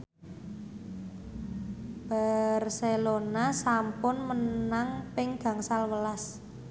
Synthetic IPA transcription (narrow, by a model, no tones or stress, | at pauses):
b̥arselonasampʊnmənaŋpɪŋɡ̥ä̤ŋsalwəlas